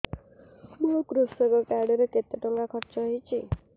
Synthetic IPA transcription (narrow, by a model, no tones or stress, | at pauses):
bokɾusɔkɔkaɖɔɾeket̪ɔʈɔŋɡakʰɔɾt͡ʃɔɦjt͡ʃʰi